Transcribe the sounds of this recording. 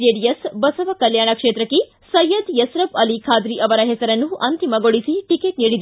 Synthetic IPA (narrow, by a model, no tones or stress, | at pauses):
eːɖijɐsbɐsɐʋɐkɐljaːɳɐkʂeːt̪ɾɐkːe | sɐjɐd̪jɐsɾɐbɐlikʰaːd̪ɾiʔɐʋɐɾɐɦɛsɐɾɐnːuʔɐnt̪imɐɡoɽisiʈikeːʈniːɽid̪